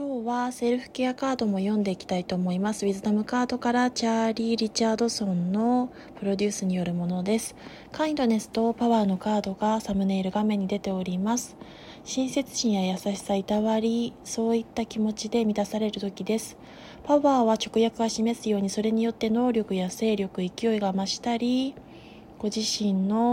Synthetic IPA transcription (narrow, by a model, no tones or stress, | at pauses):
kʲo̞ːβase̞ɾɯ̟ɸɯ̟̥keakaːd̪o̞mo̞jõ̞nd̪e̞ikʲi̥t̪ait̪o̞ːmo̞imasɨβizɨnamɯ̟kaːd̪o̞kaɾat͡ɕaɾʲiɾʲit͡ɕaːd̪o̞sõ̞nːo̞ | pɯ̟ɾo̞d̪ʲɨːsɨɲ̟ijo̞ɾɯ̟mo̞no̞d̪e̞sɨ̥ | kãĩnt̪o̞ne̞sɨ̥t̪o̞paβaːno̞kaːd̪o̞ɡasamɯ̟ne̞ːɾɯ̟ɡamẽ̞ɲ̟ːid̪e̞t̪e̞o̞ɾʲimasɨ̥ | ɕĩɰ̃se̞t͡sɨ̥ɕĩɰ̃jajasaɕi̥sait̪aβaɾʲiso̞ːit̪ːakʲimo̞t͡ɕid̪e̞mʲit̪asaɾe̞ɾɯ̟t̪o̞kʲid̪e̞sɨ̥ | paβaːβat͡ɕo̞kɯ̟jakɯ̟ɡaɕime̞sɨjo̞ːɲ̟iso̞ɾe̞ɲ̟ijo̞t̪ːe̞no̞ːɾʲo̞kɯ̟jase̞ːɾʲjo̞kɯ̟ikʲijo̞iɡamaɕi̥t̪aɾʲi | ɡ̥o̞ʑiɕĩnːo̞